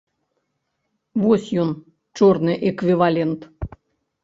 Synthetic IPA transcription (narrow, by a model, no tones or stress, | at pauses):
vosʲjon | t͡ʃornɨʔekvʲivalʲent̪